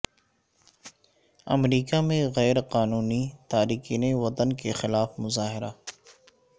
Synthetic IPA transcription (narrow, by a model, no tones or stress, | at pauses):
ɐ̰mɾiːkamẽɣɛːɾqaːnuːnit̪aːɾiːkiːneʋɐt̪ənkexɪlaːfmʊzaːɦɪɾaː